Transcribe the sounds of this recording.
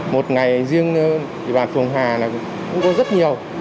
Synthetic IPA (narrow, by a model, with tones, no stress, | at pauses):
mo˨˩t̚ŋa˨˩jzi˧əŋʰ˧ | i˨˩ɓaː˨˩nfɨ˨˩əŋɦaː˨˩na˨˩˨ | xʊ̰˧˦ŋ͡mkɔ˨˦zə˦˥t̚ɲi˨˩əw